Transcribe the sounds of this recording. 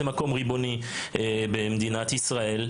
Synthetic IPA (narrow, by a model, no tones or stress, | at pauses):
emako̞mʁibo̞ni | ebemd̪inat̪isʁae̞l